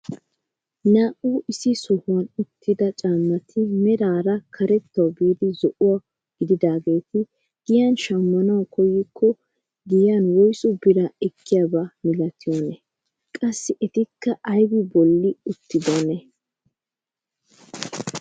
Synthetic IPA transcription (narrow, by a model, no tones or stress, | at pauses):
naːʔʼuːʔɪsɪsɔhʊɐnʊt̪ːɪd̪ɐt͡ʃʼaːmːɐt̪ʰɪmɛɾaːɾɐkʰɐɾɛt̪ːɐwbiːd̪ɪzɔʔʊwa | ɡ̥ɪd̪ɪd̪aːɡe̞ːt̪ɪ | ɡ̥ɪjanʃɐmːɐnɐwkɔjːɪkʰːɔ | ɡɪjanwɔjsʊbɪɾaɛkːɪjabamɪlɐt̪ʰɪjɔnɛ | kʼɐsːɪʔɛt̪ɪkːɐʔɐjɡɪbɔlːɪʊt̪ːɪd̪onɛ